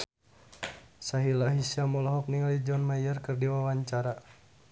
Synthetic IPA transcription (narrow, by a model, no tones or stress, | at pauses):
saɦilaɦisiamɔlɔɦɔk̚niŋalid͡ʒɔnmajərkərdiwawaɲt͡ʃaɾa